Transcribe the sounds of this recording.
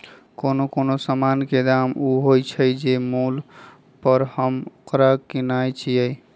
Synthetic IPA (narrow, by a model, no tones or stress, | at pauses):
konokonosamanked̪amuɦojt͡ʃʰəjd͡ʒemul | pəɾhəmkɾakinajt͡ʃʰiəj